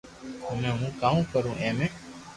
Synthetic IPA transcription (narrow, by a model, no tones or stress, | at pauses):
mẽːɦũːkaːũːkəɾũːʔɛ̃ːmẽː